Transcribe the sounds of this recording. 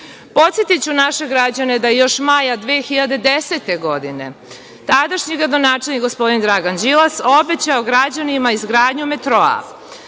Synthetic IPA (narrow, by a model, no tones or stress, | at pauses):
po̞t̪sjet̪it͡ɕunaʃe̞ɡɾad͡ʑane̞d̪ajejo̞ʃmajad̪ʋeːxiʎad̪e̞d̪eset̪e̞ɡo̞d̪ine̞̰ | t̪ad̪aʃɲiɡɾad̪o̞naːt͡ʂelnikɡospo̞d̪ind̪ɾaɡand͡ʑilaso̞bet͡ɕaoɡɾad͡ʑanimaizɡɾaːd̪ɲumet̪ɾo̞a̰